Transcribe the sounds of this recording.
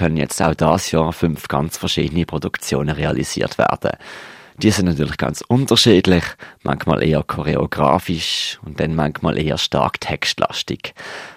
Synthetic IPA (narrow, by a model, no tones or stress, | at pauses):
kʰœnənjɛ̰t͡sta̰ʊd̥ɑːsjɔːʁfʏnfɡ̥ɑnt͡sfɛɐʃiːdənipʁ̥odukt͡sjoːnəʁeɑlʔḭzḭːɐtv̥æ̰ːɐd̥ə̰d̥iːəsɪnnɑtʰyːɐlɪχɡ̥ɑ̰nt͡sʊntəʃiːdlɪχmʔa̰ŋxmɑ̰ːlʔeːəkʰɔʁeoɡ̥ʁɑːfiʃʊnt̚d̥ɛnmaŋxmɑ̰ːlʔeːə̰ʃtɑ̰ɐktʰɛkstlʔɑ̰stiɡ̥